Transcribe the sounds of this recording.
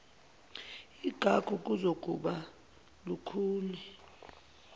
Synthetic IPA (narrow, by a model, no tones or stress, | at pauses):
iɡ̥ʱaɡ̥ʱuk̬ʼuzok̬ʼuɓa | lukʰuːnɛ